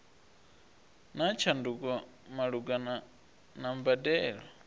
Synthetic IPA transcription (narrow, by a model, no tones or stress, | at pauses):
nat͡ʃʰandukʼɔ | maɺuɡan | nambadɛːɺɔ